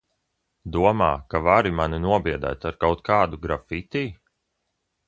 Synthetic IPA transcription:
d̪uɔma̰ːkavaɾimaninuɔbiɛd̪a̰ːt̪aɾkawt̪̚kʰaːd̪uɡɾafit̪ʲiː

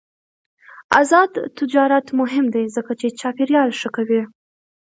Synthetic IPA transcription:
a̰zɑd̪t̪ɪd͡ʒɑɾat̪mʊɦɪmd̪ajzəkat͡ʃet͡ʃɑpiɾjɑlʂəkawi

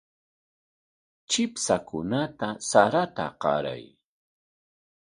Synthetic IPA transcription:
t͡ʃɪpsakʊnat̪asaɾat̪a̰qɑ̰ɾa̰j

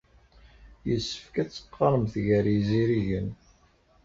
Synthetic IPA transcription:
jəsːəfkæt͡sːə̥qːɑɾˤəmθʝəɾiziɾiʝən

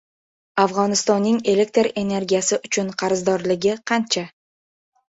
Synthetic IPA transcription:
afʁɒnɪst̪ɒnːɪŋe̞le̞k̚ʲt̪ɾe̞ne̞ɾɡʲijasɪʔʊt͡ʃʰʊnqʰɑɾɪzd̪ɒɾlɪɡʲɪqʰɑnt͡ʃʰa

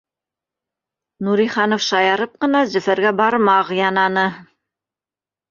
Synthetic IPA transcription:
nuɾiχɑnofʃɑjɑɾɤp̚qɤ̆nɑzɵ̆fæɾɡæbɑɾmɑʁjɑnɑnɤ

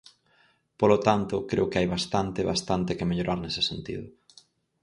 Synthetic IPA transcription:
polot̪ant̪ʊkɾeʊkɪajβast̪ant̪eβast̪ant̪ekemeʎoɾʔaɾnese̥sent̪ḭðʊ

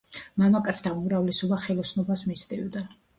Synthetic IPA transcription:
mamakʼat̪sʰd̪aumɾavlɛsɔbaχɛlˠɔsnɔbasmisd̪ʼivd̪a

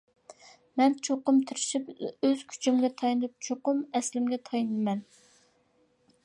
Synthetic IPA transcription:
mɛnt͡ʃʰoqʊmt̪ʰyɾɪʃipøz̥kʲʰy̥t͡ʃʰymɡʲɛt̪ʰɑjnɨp̚t͡ʃʰoqʊmɛslɪmɡʲɛt̪ʰɑjnɨɨmɛn

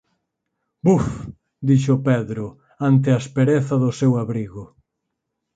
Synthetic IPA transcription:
buf | d̪iʃʊpɛðɾʊ | ant̪ɪaespeɾeθɐðʊsewaβɾiɣʊ

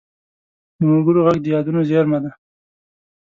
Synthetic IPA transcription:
d̪əmʊɡʊɾoɣaɡ̚d̪əjɑd̪unozeɑɾmad̪a

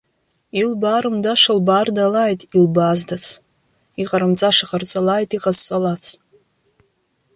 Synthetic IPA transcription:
ilbaːɾɨmdaʂɨlbaːrdalajtʼilbaːzdat͡sʰ | iqʼaɾɨmt͡sʼaʂaqʼart͡sʼalaːjtʼiqʼazt͡sʼalat͡sʰ

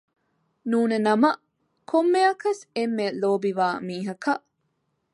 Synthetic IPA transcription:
nuːnenɐmɐ | kʰomːeɐkɐsemːeloːbiʋaːmiːɦɐkɐʔ

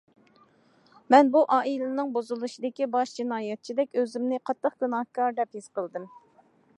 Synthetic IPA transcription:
mɛnbuʔɑːʔilɪnɨŋbozulˠuʃid̪ɪkʲibɑʃd͡ʒinɑːjɛt̪̚t͡ʃʰid̪ɛkʲøzɪmnɪqʰɑt̪ːəχɡ̥unɑhkɑɾd̪ɛphez̥qəlˠd̪ɨm

